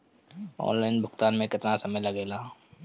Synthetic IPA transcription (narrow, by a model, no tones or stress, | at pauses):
ɔ̰ːnlaːɪnbʱʊkt̪aːnmẽkɪt̪nasɐməjlɐɡeːlaː